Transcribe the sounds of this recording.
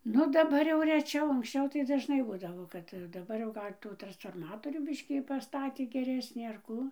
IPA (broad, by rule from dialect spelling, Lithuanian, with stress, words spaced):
ˈnʊ dɐˈbɐr jɛʊ rʲɛˈt͡ʃʲɛʊ ɐŋksʲˈt͡ʃʲɛʊ tɐɪ dɐʒˈnɐɪ ˈbuːdɐʋoː ˈkɐt dɐˈbɐr jɛʊ ˈɡɐlʲ ˈtuː trɐnsfoːrˈmɑːtoːrʲuː ˈbʲɪʃʲkʲiː pɐˈstɑːtʲeː ɡʲɛˈrʲæːsʲnʲiː ɐr ˈkuː